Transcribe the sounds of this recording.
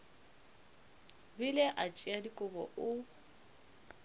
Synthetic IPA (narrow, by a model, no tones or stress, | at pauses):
bileʔat͡ʃʼiadikʼʊbɔʔʊ